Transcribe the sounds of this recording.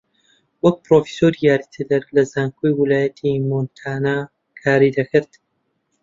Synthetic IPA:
wɐk̚pɾofi̥soɾijaːɾit̪ʰɨd̪ɐɾlɐzaːŋkʰojwɪlaːjɐt̪ʰimont̪ʰaːna | kʰaːɾid̪ɐkʰɨɾt̪

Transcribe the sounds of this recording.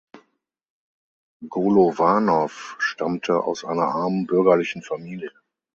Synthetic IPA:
ɡoːlovanɔfʃtʰamtʰəʔa̰ʊsʔa̰ɪnɐʔaɐmənbʏɐɡɐlɪçn̩famiːljə

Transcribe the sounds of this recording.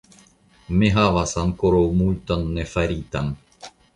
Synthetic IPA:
meɦaʋasankoɾowmujt̪anːefaɾit̪an

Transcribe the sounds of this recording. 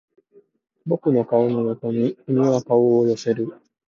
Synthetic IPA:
bo̞kɯ̟no̞kaononot̪o̞ɲ̟iinonakaoːjo̞se̞ɾɯ̟

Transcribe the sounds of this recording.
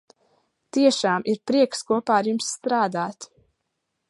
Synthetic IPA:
t̪iɛʃaːmiɾpɾiɛkskuɔpaːɾjumsːt̪ɾaːd̪aːt̪

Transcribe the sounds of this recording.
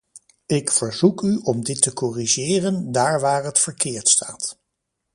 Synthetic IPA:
ɪkfəɹzukyɔmdɪtəkɔriʒɪːrəndaːɹʋaːɹɦətfəɹkɪːɹtsta̰ːt

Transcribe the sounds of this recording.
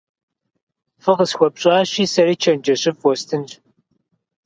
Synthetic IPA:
fɨʁəsxʷɔpɕʼaːɕiːsɐɾiːt͡ʃʰɐnd͡ʒɐɕɪfwɔstʰɨnɕ

